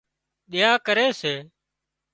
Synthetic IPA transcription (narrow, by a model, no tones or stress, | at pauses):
ɗɪjaːkəɾeːseː